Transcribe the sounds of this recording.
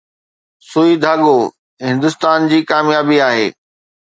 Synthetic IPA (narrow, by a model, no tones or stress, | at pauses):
suːid̪ʱaːɠoː | ɦɪ̃nd̪ʊst̪aːnd͡ʑiːkaːmjaːbiaːɦḛː